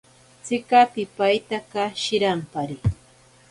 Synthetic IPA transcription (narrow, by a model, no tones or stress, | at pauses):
t͡sɪkapɪpajt̪akaʃɪɾampaɾɪ